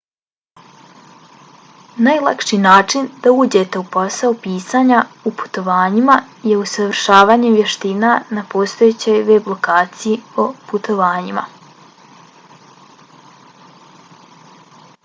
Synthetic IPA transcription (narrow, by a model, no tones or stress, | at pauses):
najlˠakʃinaːt͡ʂind̪auːd͡ʑe̞t̪e̞upo̞saopiːsaɲaupu̥t̪o̞ʋaːɲima | jeusaʋr̩ʃaːʋaːɲemʋje̞ʃt̪inanapoːst̪o̞jet͡ɕo̞jʋeblo̞kaːt̪sijioput̪o̞ʋaːɲima̰